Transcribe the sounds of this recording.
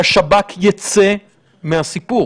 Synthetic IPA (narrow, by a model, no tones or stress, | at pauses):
aʃabakjat͡se | meɦasipu